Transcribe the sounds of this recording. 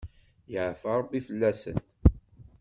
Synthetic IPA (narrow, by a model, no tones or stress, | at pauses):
jəʕfɑɾˤbːifəlːæsə̰nt̪